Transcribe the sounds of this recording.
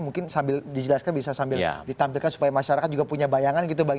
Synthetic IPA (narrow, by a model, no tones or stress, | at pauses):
muŋkɪnsambɪldid͡ʒəlaskanbisasambɪl̰dit̪ampɪlkansu̥pajamaʃaɾakat̪̚d͡ʒuɡapuɲabajaŋanɡit̪̬ubaɡ